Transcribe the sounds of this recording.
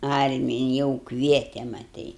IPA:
ˈɐrʲmʲɪjɪ jɛʊ ˈkʋʲiɛtʲɛ mɐˈtɐɪ

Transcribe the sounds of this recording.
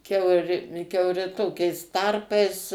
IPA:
ˈkʲɛʊrʲɪ kʲɛʊˈrʲɪ ˈtoːkʲɛɪs ˈtɐrpɐɪs

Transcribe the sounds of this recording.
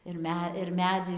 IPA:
ɪr ˈmʲɛ ɪr ˈmʲæːd͡zɐɪ

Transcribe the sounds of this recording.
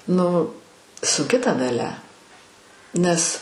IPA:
ˈnʊ sʊŋʲˈkʲɪ tɐ dɐˈlʲɛ ˈnʲɛs

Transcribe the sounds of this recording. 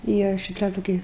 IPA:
ˈiːrɐ ʃʲɪˈtɐ toːˈkʲɪ

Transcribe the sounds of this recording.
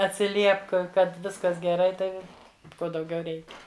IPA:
ɐtʲsʲɪˈlʲiɛpk ˈkɐt ˈʋʲɪskɐs ɡʲɛˈrɐɪ ˈtɐɪ ʋ ˈkoː dɐʊˈɡʲɛʊ ˈrʲɛɪkʲɛ

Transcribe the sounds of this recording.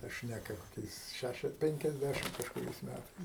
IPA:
tɐ ˈʃʲnʲæːkɐ koːˈkʲɛɪs ˈʃʲæʃʲɛs ˌpʲɛŋʲkʲɛzʲˈdʲæʃʲɪm kɐʃkʊˈrʲɛɪs ˈmʲætɐɪs

